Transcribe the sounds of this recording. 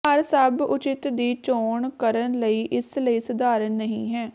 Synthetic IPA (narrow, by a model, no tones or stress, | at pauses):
əɾsəbʊt͡ʃɪt̪d̪iːt͡ʃoːɳkəɾənləiːʔɪsləiːsʊd̪aːɾənːəɦĩːɦɛː